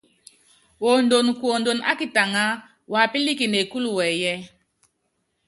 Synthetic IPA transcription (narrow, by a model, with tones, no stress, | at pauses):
wo˨ndo˨n˨ku˨o˨ndo˨na̰˦ki˨ta˨ŋa˦ | wa˨pi˦li˦ki˨ne˨ku˦lu˨wɛ˨jɛ˦